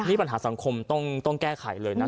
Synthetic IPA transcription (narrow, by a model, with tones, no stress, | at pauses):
nʰiː˥˩pa˧nɦaː˩˦sa˩˦ŋkʰo˧mt̪ɔ˥˩ŋt̪ɔ˥˩ŋkɛː˥˩kʰa˨˩˦jlɤː˧jna˦˥